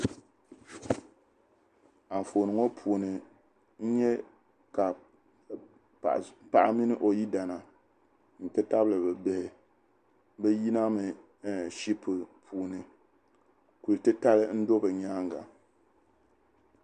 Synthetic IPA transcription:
a˨fo˨nɨ˨˦ŋo˦pʰuː˨nɨ˨ | n̩˦ɲɛ˦ | ka˨ | pa˨ʔa˦mi˦nɨ˦ʔo˨ji˦da˨na˨ | n̩˨tɨ˦ta˦blɨ˨bɛ˨bɨ˨hɪ˨ | bɛ˦ji˦na˦mɨ˨˦ | ʃi˦pɨ˨pʰuː˨nɨ˨ | ku˨ltɨ˦ta˦lɨ˦n̩˦do˦bɨ˨ɲaː˦ŋɡa˨

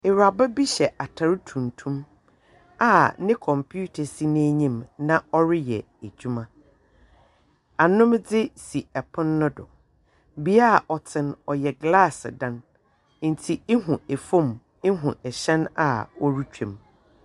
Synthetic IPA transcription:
ɪ˨ɾa˨ba˦bi˦ɕɛ˨ʔa˨tʰa˨ɾtʰũ˨n˨tʰũ˦m | a˨nɪ̃˦kʰɔ̃˨mpʰu˦tʰa˨si˦nɛ̃˦ɲĩ˦˨mnã˦ɔ˦ɾɪ˦jɛ˨ | æ˨d͡ʑᶣu˦mã˦ | a˨nʊ̃˦md͡zɪ˦si˨ɛ˨pʰʊ̃˦nː˦ʊ̃˦dʊ̰˨ | bi˦a˦˨ʔɔ˨tʰɪ̃˨nɔ˨jɛ˨ɡla˦˨sdã˦n | n̩˨tʰi˨e˦ɦũ˨e˨fõ˦˨m | ɪ˦ɦũ˨ɛ˨ɕɛ̃˦na̰˨ɔ˦ɾu˦t͡ɕᶣʰẽ˨m

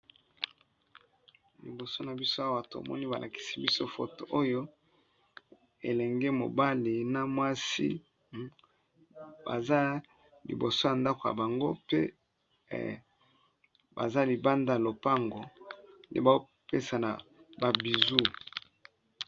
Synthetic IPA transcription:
lḭ˨bo˨so˦na˨bi˦so˦a˦wa˨to˨a̰˨mɔ̰˦ni˦ba˨lʔa̰˨ki̥˨si˦bi˦so˦fo˨to˨ʔo˦jo˦ | ḛ˨lɛ˨ŋɡe˦mo̰˨ba˦li˨na˨mwa˦sḭ˦ | ba̰˨za˦ | lḭ˨bo˨so˦ja˨nda˦ko˨ja̰˨ba˨ŋɡo˦pḛ˦ | ba̰˨za˦li˨ba˦nda˦˨a˨lo˨pa˦ŋɡo˨ndḛ˦ba˨o˦ | pe˦sa˨na˨ba˨bi˨zu˦

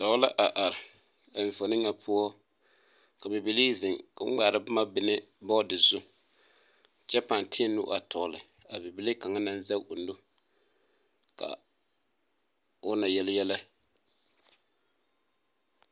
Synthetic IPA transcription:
tɔ˨˦la˦ʔa˨ʔa˨ɾɪ˨ | a˨ɱ˨fo˨nɨ˦ŋːa˨pʰʊ˦ɔ˦ | ka˨bɛ˨bi˨li˦zɪ˨ŋka˨ŋ͡m̩˦ɡ͡baː˨ɾa˨ba˦ma˦bɪ˦nɪ˦ | bɔ˦dɪ˨zʊ˦ | t͡ʃɛ˦pa˨n˨tʰɪ˦ɛ˦nʊ̰˦ʔa˨tɔ˨lɪ˨ | a˨bɪ˨bi˨˦li˦ka˨ŋa˦na˦n˦za˦ʔʊ˨n˦dʊ˦ | ka̰˨ | ʊ˦na˨jɛ˦ljɛ˦la˦

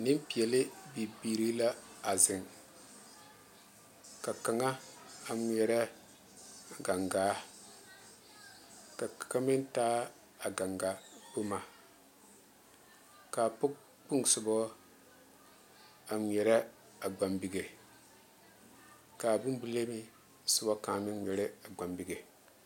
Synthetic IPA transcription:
nɪ˦m˦pi˨ɛ˨lɪ˦bi˨biː˨ɾi˦la˦a˨zɪ˨ŋ | ka˨ka˨ŋa˦a˨m˦ɛ˨ɾɛ˦˨ | ɡa˨ŋɡaː˦ | ka˨ka˦mɪ˦n˦taː˦ | a˨ɡa˨ŋɡa˨bu˦ma˨ | ka˨pʊ˦k | k͡pu˦ŋsu˨bɔ˦ | a˨m˨jɛ˨ɾɛ˦ | a˨ɡ͡ba˨mbi˨ɡe˨ | ka˨bu˦m˦bu˦le˦mi˦ | su˨bɔ˦ka˨mi˦n˦ɛ˨ɾe˦a˨ɡ͡ba˨mbi˨ɡe˨

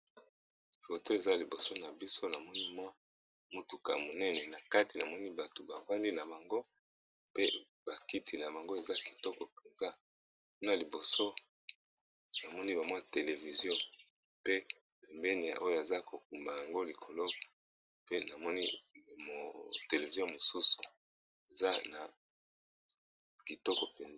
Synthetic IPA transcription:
fo˨to˦e˨za˦li˨bo˨so˦na˨bi˦so˦na˨mɔ˦ni˦mwa˦ | mu˨tu˨ka̰˨mo˨nɛ˦nɛ˨na˨ka˦ti˨na˨mɔ˦ni˦ba˨to˨ba˨ba˦ndi˦na˨ba˨ŋɡo˦ | pe˦ | b̥a˨ki˦tʰi˨na˨ba˨ŋɡo˦e˨za˦ki̥˨tɔ˦kɔ˨pe˨nza˦˨ | ku˦na˨li˨bo˨so˦ | na˨mɔ˦ni˦ba˨mwa˦te˨le˨vi˨zjɔ̃˦ | pe˦ | pe˨mbɛ˦ni˨ja̰˨ʔo˦jo˦˨e˨za˦ko˨k̚u˨mba˨ja˨ŋɡo˦li˨kʰo˨lo˦ | pe˦na˨mɔ˦ni˦mo˨te˨le˨vi˨zjɔ̃˦mo˨su˦su̥˨ | e˨za˦na˨ | ki˨tɔ˦kɔ˨pe˨na˦

